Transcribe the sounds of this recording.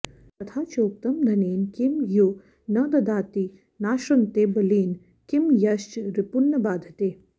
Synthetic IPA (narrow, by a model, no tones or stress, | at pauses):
t̪ɐt̪ʰaːt͡ʃoːk̚t̪ɐmd̪ʱɐneːnkimju | nɐd̪ɐd̪aːt̪i | naːʃɐnt̪eːbɐliːn | kimjɐʃt͡ʃɾɪpunːɐbaːd̪ʱɐt̪eː